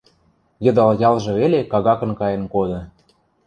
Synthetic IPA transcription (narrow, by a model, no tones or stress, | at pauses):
jɤ̆d̪ɑljɑlˠʒɤ̆βelekɑɣɑkɤ̆nkɑjĕnkod̪ɤ̆